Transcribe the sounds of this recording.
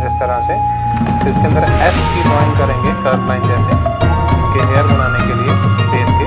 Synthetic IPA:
d͡ʒɪst̪ɐɾase | ɪskẽnd̪əɾɛːpkilɔːɪ̃ŋkɐɾẽːŋɡetəːɾʈlaːɪnd͡ʒɛːsẽ | keɦeːəɾbɐnaːnekeliebeːski

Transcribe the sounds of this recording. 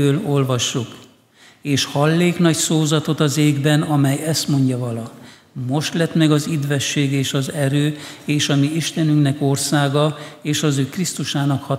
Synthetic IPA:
øːlo̞lvɒʃːuk | eːʃhɒlːeːknɒcsoːzɒt̪o̞t̪ɒzeːɡbɛnɒmɛjɛst̪mo̞ɲɟɒvɒlɒ | mo̞ʃt̪lɛt̪mɛɡɒzid̪ʋvɛʃːeːɡeːʃɒzɛɾøːeːʃɒmiiʃt̪ɛnyŋknɛko̞rsaːɡɒeːʃɒzøːkrist̪uʃaːnɒkhɒ

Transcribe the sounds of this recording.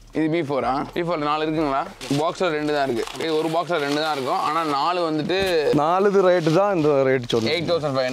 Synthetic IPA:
ɪðɯbiːfoːɾaːbiːfoːɾnaːlɪɾɯk̬ːɯŋɡɐɭaː | baːksaːɾɛɳɖɯðãːɪɾɯkːɯeɔɾɯbaːksaːɾɛɳɖɯðãːɪɾɯkːʊ̃ʔa̰ːnaːnaːlɯʋɐnd̪ɯʈːɯnaːɭɯðɯɾɐɪʈ̬ːɯt̪ãːɪnd̪ɐɾɐɪʈ̬ːsɔlːeɪʈ̚t̪ːɐʊsɐ̃ɳɖfɐɪ

